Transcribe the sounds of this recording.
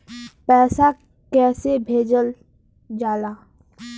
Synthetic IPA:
pɛːsa | kɛːsebʱeːd͡ʒəl | d͡ʒaːlaː

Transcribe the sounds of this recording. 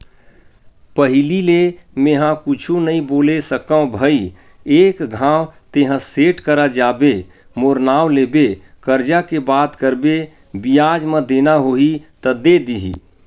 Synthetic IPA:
pəɦɪlilemẽɦãkut͡ʃʰunəĩboːlesəkə̃õbʱəi | eːkɡʱãːwt̪eɦãseʈkəɾad͡ʒaːbe | moɾnaːwlebe | kəɾd͡ʒakebaːt̪kəɾbe | bijad͡ʒmə̃d̪enaɦoit̪əd̪ed̪iɦḭ

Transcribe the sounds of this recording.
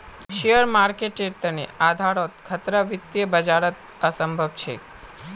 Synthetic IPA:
ʃijəɾmaɾkeʈet̪ənḛad̪ʱaɾot̪kʰət̪ɾəʋɪt̪ːjəbəd͡ʒaɾət̪ | əsəmbʱəbt͡ʃʰḛ

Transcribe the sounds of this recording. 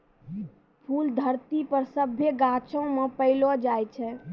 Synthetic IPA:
pʰuld̪ʱəɾt̪ipəɾsəbʱːeɡãt͡ʃə̃mepəɪlɔd͡ʒajt͡ʃʰɛ

